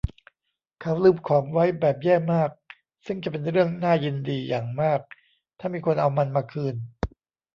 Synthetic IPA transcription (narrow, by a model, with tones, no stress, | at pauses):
kʰa˦˥wlɯː˥˩mkʰɔː˩˦mwa˦˥jbɛː˨˩p̚jɛː˥˩maː˥˩k̚ | sɯ˥˩ŋt͡ɕa˨˩p̬e˧nɾɯ˥˩əŋnaː˥˩ji˧ndiː˧jaː˨˩ŋmaː˥˩k̚ | t̪ʰaː˥˩miː˧kʰo˧nʔa˧wma˧nmaː˧kʰɯː˧n